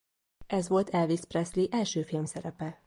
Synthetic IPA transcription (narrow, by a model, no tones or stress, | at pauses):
ʔɛzʋo̞lt̪ʰɛlvisprɛsliʔɛlʃøːfilmsɛɾɛpɛ